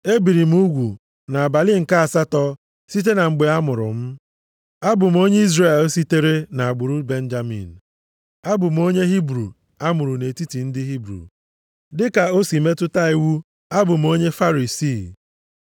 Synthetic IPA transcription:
e˦bi˨ɾi˨m̩˦u˦ɡʷu˨ | na˨a˨ba˨lɪ˦ŋ̩˨ka˦a˨sa˦tɔ˦ | si˦t̬e˦na˨ŋ͡m̩˨ɡ͡be˨a˦mʊ˨ɾʊ̰˨m̩˦ | a˦bʊ˨m̩˦o˦ɲe˦i˦zre˦˨l̩˦si˦te˦ɾe˦na˨a˨ɡ͡bʊ˨ɾu˦be˦n̩˦d͡ʒa˦mḭ˨n̩˨ | a˦bʊ˨m̩˦o˦ɲe˦ɦi˦bɾṵ˨ | a˦mʊ˨ɾʊ˨ne˨ti˦ti˨n̩˦dɪ˦ɦi˦bɾṵ˨ | dɪ˦ka˨o˦si˨me˦tʊ˦ta˦i˦wu˦ | a˦bʊ˨m̩˨o˦ɲe˦fa˦ɾi˨si˦˨

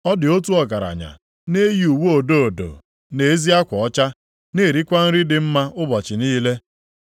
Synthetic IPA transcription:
ɔ˦dɪ˨o˦t̬u˦ɔ˨ɡa˨ɾa̰˨ɲa̰˨ | ne˦ji˨u˨wu˦o˨do˦o˨do̰˨ | ne˨˦zi˦a˦kʷɔ˨ɔ˦t͡ʃa˦ | ne˦˨ɾi˦kʷa˦n̩˦ɾi˦dɪ˨m̩˦ma˦ʔʊ˦bɔ˨t͡ʃɪ˨niː˦le˦

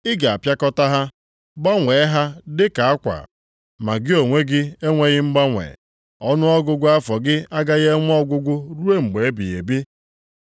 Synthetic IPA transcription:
ɪ˦ɡa˨a˨pja˦kɔ˦ta˦ɦa˦ | ɡ͡ba˦ŋʷe˨˦ɦa˦dɪ˦ka˨a˦kʷa̰˨ | ma˨ɡɪ˦o˨ŋʷe˦ɡɪ˦e˦ŋʷe˦ɣɪ˦m̩˦ɡ͡ba˦ŋʷḛ˨ | ɔ˦nʊ˦ɔ˦ɡʊ˦ɡʷʊ˦a˦fɔ˨ɡɪ˦a˦ɡa˦ɣe˦ŋʷ˦ɔ˦ɡʷʊ˦ɡʷʊ˦ɾu˦e˦ŋ͡m̩˨ɡ͡be˨e˦bi˨e˨bi˦

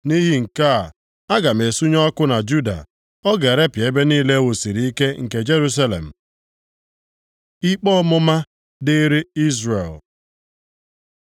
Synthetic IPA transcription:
ni˦ɦi˦ŋ̩˨ka˦˨ | a˦ɡa˨me˨su˦ɲɔ˦kʊ˦na˨d͡ʒu˦da̰˨ | ɔ˦ɡe˨ɾe˦pje˦be˦niː˦le˦wo˨si˨ɾi˦i˦ke˦ŋ̩˨ke˨d͡ʒe˦ɾu˦s̬a˦lḛ˨m̩˨ | i˦k͡pɔ˦mʊ˦ma˦ | de˦ɾi˦i˦zɾḛ˨l

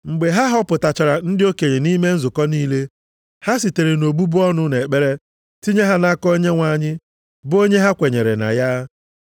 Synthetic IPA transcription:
ŋ͡m̩˨ɡ͡be˨ɦa˦ɦɔ˦pʊ˨ta˨t͡ʃa˨ɾa˨n̩˦dɪ˦o˦ke˨ɲe˨ni˦me˦n̩˦zʊ˨kɔ˦niː˦le˦ | ha˦s̬i˨te˨ɾe˨no˨ɡ͡bu˦bʊ˦ɔ˦nʊ˦ne˨k͡pe˦ɾe˦ | ti˦ɲe˦ɦa˦na˦kɔ˦ɲe˦ŋʷa˨ɲɪ˦ | bʊ˦o˦ɲe˦ɦa˦kʷe˨ɲe˨ɾe˨na̰˨ja˦

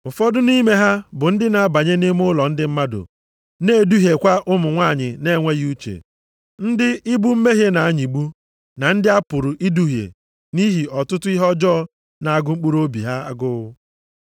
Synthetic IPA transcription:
ʊ˨fɔ˦dʊ˦ni˦me˦ɦa˦bʊ˨n̩˦dɪ˦na˨a˦ba˨ɲe˦nɪ˦m˦ʊ˦lɔ˨n̩˦dɪ˦m̩˦ma˦dʊ̰˨ | ne˦˨du˦ɦe˨kʷa˦ʔʊ˦mʊ˨ŋʷa˦˨ɲɪ˨ne˦ŋʷe˦ɣu˦t͡ʃḛ˨ | n̩˦dɪ˦i˦bu˦m̩˦me˦ɦje˦na˨a˦ɲi˨ɡ͡bu˦ | na˨n̩˦dɪ˦a˦pʊ˨ɾʊ˨ʔi˦du˦ɦjḛ˨ | ni˦ɦi˨ɔ˨tʊ˦tʊ˦i˦ɦɔ˦d͡ʒɔ˦ | na˨a˦˨ɡʊ˦ŋ͡m̩˦k͡pu˦ɾo˦bi˨ɦa˦a˦ɡʊ˦ɣʊ˦

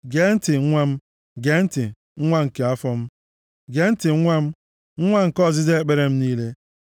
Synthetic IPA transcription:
ɡe˨˦n̩˦tɪ˨ŋ̩˦ŋʷa˦m̩˦ | ɡe˨˦n̩˦tɪ˨ | ŋ̩˦ŋʷa˦ŋ̩˨ke˨a˦fɔ˦m̩˦ | ɡe˨˦n̩˦tɪ˨ŋ̩˦ŋʷa˦m̩˦ | ŋ̩˦ŋʷa˦ŋ̩˨kɔ˦˨zɪ˦ze˦e˦˨k͡pe˦ɾe˨m̩˦niː˦le˦

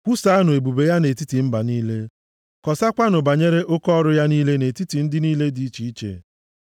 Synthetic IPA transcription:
kʷu˦sa˨˦a˦nʊ˨e˨bu˨be˨ja˦ne˨ti˦ti˨m̩˦ba˨niː˦le˦ | kɔ˨sa˦kʷa˦nʊ˨ba˨ɲe˦ɾe˦ʔʊ˦kɔ˦ɾʊ˦ja˦niː˦le˦ne˨ti˦ti˨n̩˦dɪ˦niː˦le˦di˦i˦t͡ʃi˨i˦t͡ʃḛ˨

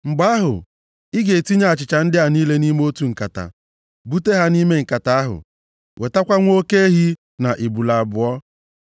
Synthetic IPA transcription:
ŋ͡m̩˨ɡ͡ba˦ɦʊ̰˨ | ɪ˦ɡe˨ti˦ɲa˦a˨t͡ʃɪ˨t͡ʃa˨n̩˦dɪ˦a˨niː˦le˦ni˦m˦o˦tu˨ŋ̩˨ka̰˨ta̰˨ | bu˦te˦ɦa˦ni˦me˦ŋ̩˨ka˨ta˨a˦ɦʊ̰˨ | wʔe˨ta˦kʷa˦ŋʷo˦ke˦e˦ɦi˦ | na˨ʔi˨bu˨la˨a˨bʊ˨ɔ˦

